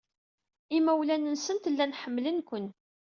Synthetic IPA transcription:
imːæwlænənsənt̪lːænħəmːlənkʷən

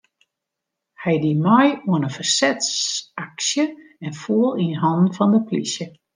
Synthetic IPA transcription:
hɛjdimɔjuənəfərsɛtsaksjəɛnfuəlˠinɦɔndn̩fɔndəplḭsjə

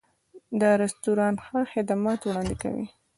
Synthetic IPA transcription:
d̪əɾɪst̪uɾɑnxaxɪd̪amɑt̪wɽɑnd̪ɪka̰wḭ

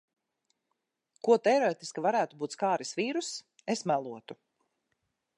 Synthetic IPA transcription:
kuɔt̪ɛɾɔet̪iskavaɾæːt̪ubuːt̪skaːɾisviːɾus | esmælˠuɔt̪u

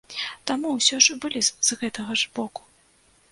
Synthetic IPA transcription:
t̪amuwsʲɔʐbɨlʲiz̥ɣɛt̪ɐɣɐʐbɔku̥

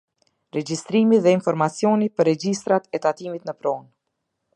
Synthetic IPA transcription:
ɾɛd͡ʑist̪ɾimiðɛinfɔɾmat͡sjɔnipəɾɛd͡ʒist̪ɾat̪ɛt̪at̪imit̪nəpɾɔn

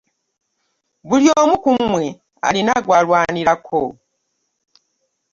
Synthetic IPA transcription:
βuljoːmukumwe̞ | a̰linaɡwaːlwaːniɾakʰo

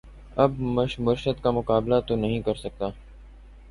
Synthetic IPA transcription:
ɐbməʃmʊɾʃət̪kaːmʊkaːblaːt̪oːnəɦĩːkəɾsək̚t̪aː

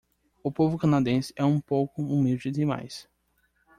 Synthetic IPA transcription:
ʊpovʊkɐ̃nad̪ẽsɪɛũpowkʊũmid͡ʒɪd̪ima̰js

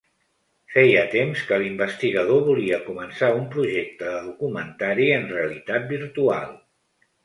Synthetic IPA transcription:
fɛjət̪emskəlimbəst̪iɣəð̞oβuliəkumənsaumpɾuʒek̚t̪əðəðukumənt̪aɾiənreəlit̪at̪̚biɾt̪ua̰lˠ

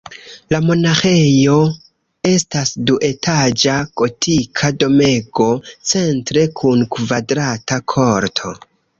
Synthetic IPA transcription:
lamo̞naxe̞jo̞ | e̞stasduʔe̞tʰad͡ʒaɡ̥o̞tʰikʰado̞me̞ɡo̞t͡se̞ntɾe̞kʰunkvadɾatakʰo̞ɾtʰo̞̰

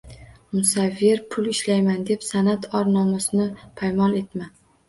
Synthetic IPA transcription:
mʊsavːeɾpʰʊlɪʃlajmand̪e̞psanat̪ʰɒɾnɒmasɪnɪpʰajmɒne̞t̪ma

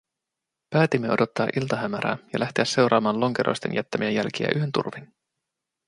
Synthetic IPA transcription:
pæːt̪imːeo̞do̞t̪ːɑːʔilt̪ɑɦæmæɾæ̰ːjɑ̰lʔæht̪eæsːe̞wɾʔɑːmɑːnlo̞ŋkeɾʔo̰st̪e̞̰njæt̪ːæmiejælk̟iæ̰ʔyɦe̞nt̪ṵrʋin

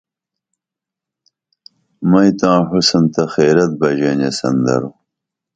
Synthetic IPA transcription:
mɐjt̪ãːhusɐnt̪ɐxeːɾɐt̪̚bɐʑenɐsɐ̰nd̪ɐ̰ɾu

